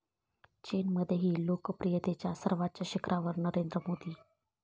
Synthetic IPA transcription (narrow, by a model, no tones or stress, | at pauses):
t͡ɕenməd̪ʱːjeɦiːlokəpɾijət̪et͡ɕjasəɾʋat̪̚t͡ɕjaɕikɾʔaʋəɾnəɾend̪ɾəmod̪iː